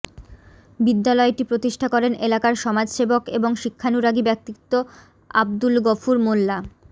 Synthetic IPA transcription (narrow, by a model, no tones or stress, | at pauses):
bid̪ːalɔeʈipɾot̪iʃʈʰakɔɾenʔelakaɾʃɔmad͡ʑʃebokeboŋʃikʰːanuɾaɡibɛk̚t̪ikt̪o | a̰b̚d̪ulɡɔfuɾmolːa